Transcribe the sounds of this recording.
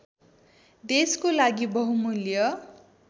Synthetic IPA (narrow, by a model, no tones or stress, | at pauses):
d̪eskolaɡibʌɦumuljʌ